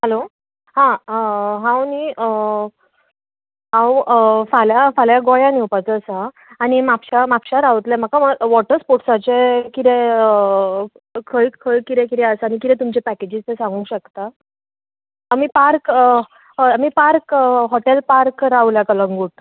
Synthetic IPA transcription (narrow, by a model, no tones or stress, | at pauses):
ɦəlo | hãɦãwni | ɦãwfaljafaljaɡɔjaniwpat͡səsã | añimapɕamapɕaɾawt̪lɛm̤əkaməʋɔʈəɾspoʈsat͡ɕekit̪ɛ̃ | kʰəjkʰəjkit̪ɛ̃kit̪ɛəsañikit̪ɛ̃t̪umt͡ɕepæked͡ʑid͡zt̪esãŋɡũɕəkt̪a | m̤ipaɾk | am̤ipaɾkɦɔʈelpaɾkɾaʋljakaləŋɡuːʈ̚